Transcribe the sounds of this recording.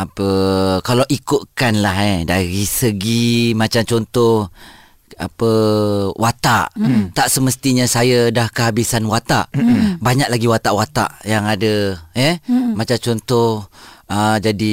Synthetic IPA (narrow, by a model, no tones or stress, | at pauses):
apəkalawʔikʊt̪̚kanlaɦedaɾisəɡimat͡ʃamt͡ʃɔnt̪ɔh | a̰pəwʔat̪a̰ʔt̪aʔsəməst̪iɲasajadahkəɦabisanwat̪a̰ʔbaɲaʔ̚laɡiwat̪aʔwat̪a̰ʔjaŋadəɛmat͡ʃat͡ʃɔnt̪ɔhəd͡ʒadi